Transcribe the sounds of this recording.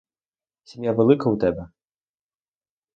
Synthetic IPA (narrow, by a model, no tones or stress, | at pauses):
sʲimʲjavʲɛlˠɨkɐwt̪ɛbʲɛ